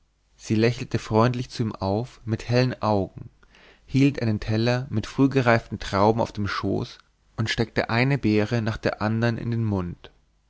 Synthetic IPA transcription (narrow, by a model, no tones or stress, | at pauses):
z̥iːlɛçl̩təfʁ̥ɔʏntlɪçt͡suiːmʔaʊfmɪthɛlənʔaʊɡŋ̩ | hiːltʔaɪnəntʰɛlɐmɪtfʁ̥yːɡəʁaɪftn̩tʁ̥aʊbm̩a̰ʊfd̥eːmʃo̰ːs | ʔʊntʃtɛk̚tə̰ʔaɪnəbeːʁənaːχd̥eːɐʔandɐnʔɪ̰ndeːnmʊnt